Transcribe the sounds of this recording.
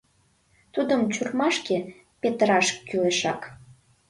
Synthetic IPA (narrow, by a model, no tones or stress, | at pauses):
t̪ud̪əmt͡ɕurmɑʃke | pet̪əɾɑʃkːyleʃɑk